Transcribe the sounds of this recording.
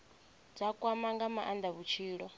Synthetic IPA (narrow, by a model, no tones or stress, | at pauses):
d͡zakʼwamaŋɡamaʔand̪aβut͡ʃʰiːɺɔ